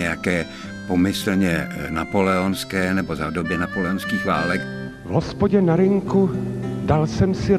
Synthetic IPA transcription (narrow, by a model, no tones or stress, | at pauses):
ɛjakɛː | pomɪsl̩ɲɛnapo̞lɛonskɛːnɛbo̞zadobjɛnapolɛonskiːxva̰ːlɛk | vɦospoɟɛnaɾɪŋkudalsɛmsɪ